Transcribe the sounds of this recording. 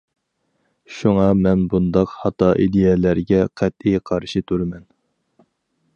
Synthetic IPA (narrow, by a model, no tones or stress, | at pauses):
ʃuŋɑmɛnbund̪ɑqhɑt̪ɑʔid̪ejɛlæɾɡʲɛqʰɛt̪̚ijqʰɑɾʃit̪ʰuɾmɛn